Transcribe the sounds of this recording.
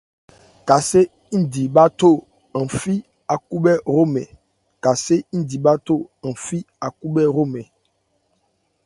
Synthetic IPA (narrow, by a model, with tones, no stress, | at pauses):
ka˨se˦ | n̩˦˨di˨ba˦to˦˨ | ã˨fi˦ | a˨ku˦ɓɛ˦ɾo˦mɛ̰˨ | ka˨se˦n̩˦di˨ba˦to˦ã˨fi˦ | a˨ku˦bɛ˦ɾo˦mɛ˨